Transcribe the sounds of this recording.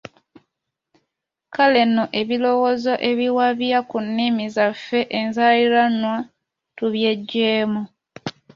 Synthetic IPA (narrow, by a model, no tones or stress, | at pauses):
kale̞noʔe̞βilo̞wozo̞ʔe̞βiwaβjakunːimizafːe̞ʔenzaliɾanwa | tuβje̞ɟːeːmu